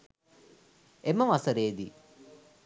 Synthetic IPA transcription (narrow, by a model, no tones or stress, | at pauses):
emːɐmɐsɐɾeːd̪ḭ